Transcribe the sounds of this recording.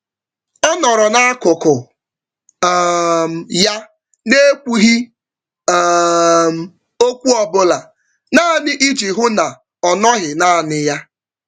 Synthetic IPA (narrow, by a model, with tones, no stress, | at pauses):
ɔ˦nɔ˨ɾɔ˨na˦a˦kʊ˨kʊ˨ | m̩˨ja˦ | ne˦kʷu˦ɦi˦˨ | m̩˨ | o˦kʷu˦ɔ˨bʊ˦la˨ | na˦˨nɪ˦ʔi˦d͡ʒi˨ɦʊ˦na˨ | ɔ˨nɔ˦ɦɪ˨na˦a˨nɪ˦ja˦